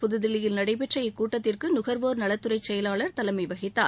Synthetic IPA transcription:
pʊðɯðɪlɪjɪlnɐɽɐɪpɛʈrɐjɪkːuːʈːɐt̪ːɪrkɯnʊɣɐɾʋoːɾnɐɭɐt̪ːɯɾɐɪt͡ʃːɛjɐlaːɭɐɾt̪ɐlɐmɐɪʋɐɣɪt̪ːaː

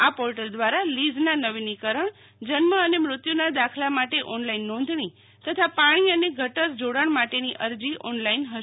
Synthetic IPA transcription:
apɔɾʈəld̪ʋaɾalid͡ʒnanəʋinikəɾəɳ | d͡ʒənməənemɾʊt̪junad̪akʰlamaʈeʔɔnlainːɔ̃nd̪ʱɳ̃i | t̪ət̪ʰapaɽ̃iəneɡʱəʈəɾd͡ʒoɽaɳmaʈeniʔəɾd͡ʒiʔɔnlainɦəʃ

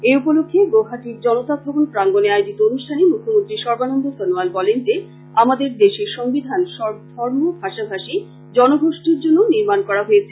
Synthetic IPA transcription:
eupolokʰːeɡoɦat̪iɾd͡ʑɔnot̪abʱɔbonpɾaŋɡoneajd͡ʑit̪oonuʃʈʰanemukʰːomont̪ɾiʃɔɾbanond̪ʱosɔnualbɔlend͡ʑe | amad̪eɾd̪eʃeʃɔŋbid̪ʱanʃɔd̪ʱɔɾmobʱaʃabʱaʃi | d͡ʑɔnoɡʱoʃʈiɾd͡ʑonːoniɾmankɔɽaɦojet͡ɕʰe

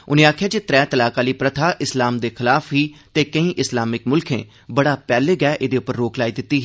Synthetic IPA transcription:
ʊnẽːaːkʰjaːd͡ʒeːt̪ɾɛːt̪əlaːkaːliːpɾət̪ʰaːʔɪslaːmd̪eːkʰɪlaːfɦiːt̪eːkəĩːʔɪslaːmɪkmʊlkʰḛ̃ː | bəɽaːpɛːleːɡɛːʔɪd̪eːʊpːəɾːoːklaːiːd̪ɪt̪ːiːɦ

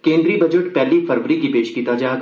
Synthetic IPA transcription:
kẽːnd̪ɾibɐd͡ʒəʈpɛɦlifʰɐɾʋəɾikipeːʃkiːt̪ad͡ʒaː

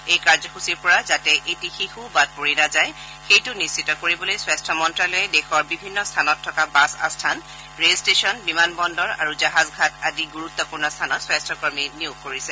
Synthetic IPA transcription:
ejkaɹzɔxusiɹpɔɹazatɛʔetixixubad̚poɹinazaj | xejtʊnissʰitɔkoɹibɔlojswastʰɔmɔntɹalɔjɛdɛxɔɹbibʱinːɔstʰanɔtʰːɔkabasa̰stʰan | ɹelstesɔnbimanbɔndɔɹaɹuzaɦazɡʱatadiɡuɹutːɔpuɹnɔstʰanɔswastʰɔkɔɹminijʊɡ̚koɹisɛ

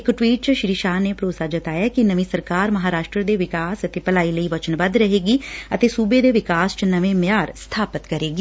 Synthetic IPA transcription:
ɪkʈwiːʈ̚t͡ʃʃɾiːʃaːneːpɾoːsaːd͡ʒət̪aːjaːkinəʋĩːsəɾkaːɾməɦaːɾaːʃʈɾəd̪eːʋɪkaːsət̪eːpəlaːiːləiːʋət͡ʃənʋəd̪ɾəɦeːɡiːət̪eːsuːbeːd̪eːʋɪkaːst͡ʃənəʋẽmjaːɾst̪ʰaːpət̪kəɾeːɡiː

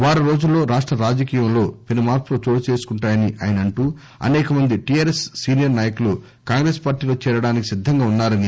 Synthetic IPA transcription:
ʋaːɾɐɾo̞ːd͡ʒulːo̞ːɾaːʂʈɾɐɾaːd͡ʒɐkiːjɐmlo̞ːpenumaːɾplot͡ʃo̞ːɽut͡ʃe̞ːsu̥kuɳʈaːjɐniʔɐ̰ːjɐnɐɳʈuː | ɐ̰nɛːkɐmɐnd̪iʈijaːɾesːiːnijɐɾnaːjɐkulu | kaːŋɡɾeːspaːɾʈiːloːt͡ʃɛːɾɐɽaːniki̥sid̪ʱːɐŋɡaːunːaːɾɐni

